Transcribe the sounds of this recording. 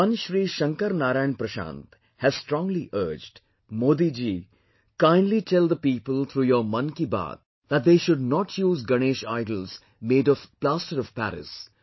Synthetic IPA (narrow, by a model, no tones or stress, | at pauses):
ʌ̃nʃɾiːʃɐ̃ŋkəɾnaːɾaɪ̃ɳpɾəʃã̰ːnt̪ | hæz̥sʈɾɔ̃ːŋliʔəːɾd͡ʒɖ | moːd̪id͡ʒiː | kãɪ̃nɖliʈʰɛld̪əpiːpəlt̪ʰɾuːjəmɐ̃nkiba̰ːt̪̚ | d̪æʈ̚d̪eːʃʊɖ̚nɔʈʰjuːzɡɐneːʃaɪɖəlz̥ | meːɖɔʋplaːstəɾɔv̥pæ̰ɾɪ̰s